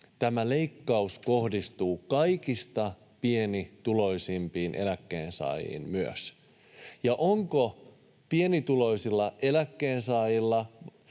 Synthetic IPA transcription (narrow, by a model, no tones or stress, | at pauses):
t̪æmæle̞ikːɑuskohdist̪uːkɑjkist̪ɑ | pie̞nit̪ulo̞isimpiːnʔe̞̰lækːe̞ːnsɑ̰ˑːjḭːnmyø̰s | jɑʔoŋko | pienit̪ulo̞isilːɑʔe̞lækːeːnsɑːjilːɑ